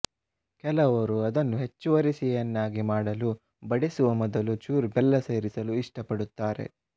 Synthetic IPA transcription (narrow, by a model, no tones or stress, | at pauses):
kɛlɐʋɐɾuɐd̪ɐnːuɦe̞t͡ʃːuʋɐɾisijɐnːaːɡimaːɽɐlu | bɐɽesuʋɐmɔd̪ɐlut͡ʃuːɾbɛlːɐseːɾisɐluiʂʈɐpɐɽut̪ːaːɾe̞̰